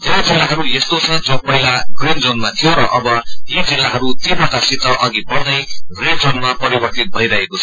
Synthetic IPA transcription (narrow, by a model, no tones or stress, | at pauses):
d͡zed͡zilːaɦʌɾujest̪ot͡sʰʌd͡zʌ̃pʌɦilaɡrind͡zonmat̪ʰijoɾʌʔʌbʌjod͡zilːaɦʌɾut̪imʌʈasit̪ʌʔʌɡipʌrd̪ʌjrend͡zonmapʌɾibʌrt̪it̪̚bʱʌiɾʌɦekot͡sʰʌ